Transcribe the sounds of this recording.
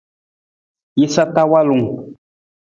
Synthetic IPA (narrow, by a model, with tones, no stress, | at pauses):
i˦sa˦t̪a˦wa˦lu˨ŋ